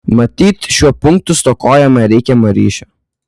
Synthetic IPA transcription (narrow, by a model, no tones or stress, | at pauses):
mɐt̪ʲiːt̪ʃʲuɔpʊŋk̚t̪ʊst̪okoːjɛmɐɾʲɛɪkʲɛmɐɾʲḭːʃʲɛ